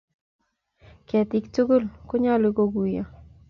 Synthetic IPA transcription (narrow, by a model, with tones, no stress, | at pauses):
kɛ˨ti˦k̚tu˦kʊ˦lko˦ɲa˦lu˨ko˦ku˨ja̰˨